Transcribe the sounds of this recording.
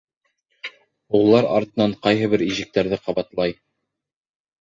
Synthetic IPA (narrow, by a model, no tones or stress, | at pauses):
ulˠːɑɾɑ̰ɾt̪ɤ̆nɑɴqɑjɦɤ̆βɘɾiʒɘ̆k̚t̪æɾðɘqɑβɑt̪lˠɑj